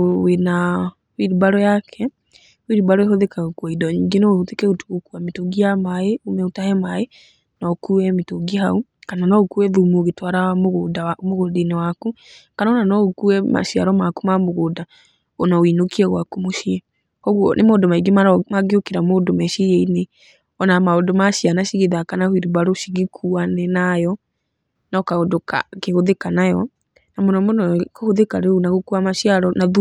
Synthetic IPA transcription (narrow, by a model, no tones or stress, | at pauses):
wena | wiɾibaɾɔjakʰɛ | wiɾibaɾɔeɦɔðekaɣokwaidɔɲiːŋɡenootekɛotu̥ɣokuametoɡiamaeomɛotahɛmae | nɔkuɛmetoɡiɦaukananɔokuɛðumuoɣetwaɾaɣdamoɣodenewakukanaonanɔokuɛma̰ʃiaɾɔmakumamoɣoda | onawinokiɛɣwakumoʃiɛ | kɔɣwɔ̰nʔemoːndomaiɡemaɾmaɡeokeɾamoːdomɛʃejɛine | ɔnamaodomaʃianaʃiɣeðakanahwiɾuβaɾoʃiɣekʰuanɛnajɔ | nakaodoka̰keɣoðekanajɔ | namɔnɔmonɔkohoðekaɾeonaɣokuamaʃiaɾɔnað